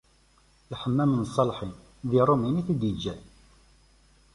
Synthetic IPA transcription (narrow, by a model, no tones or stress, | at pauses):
ħəmːæmənsˤːɑlħin | ðiɾˤominiθid̪id͡ʒːæ